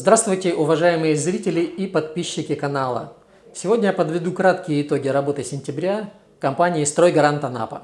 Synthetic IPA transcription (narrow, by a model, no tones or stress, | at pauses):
zd̪ɾast̪vʊjtʲɪʔʊvɐʐajɪmɨjəzɾʲitʲɪlʲɪipɐt̪̚pʲiɕːɪkʲɪkɐnalˠə̰ | sʲɪvo̞dʲnʲəjapəd̪vʲɪd̪ukɾat̪kʲɪjəɪt̪o̞ɡʲɪɾɐbo̞t̪ɨsʲɪnʲtʲɪbɾʲa | kɐmpanʲɪɪst̪ɾo̞jɡɐɾant̪ɐna̰pə̰